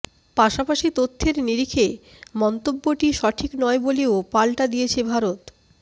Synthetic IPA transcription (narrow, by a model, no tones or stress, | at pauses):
paʃapaʃit̪ot̪ʰːeɾniɾikʰe | mɔnt̪obːoʈiʃɔʈʰiknɔeboleopalʈad̪ijet͡ɕʰebʱaɾot̪